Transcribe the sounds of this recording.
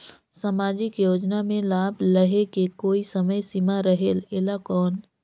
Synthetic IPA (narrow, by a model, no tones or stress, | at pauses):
samaːd͡ʒɪkjoːd͡ʒnamẽlaːbləɦekekoːisəməjsimaɾəɦeleːlakɔːn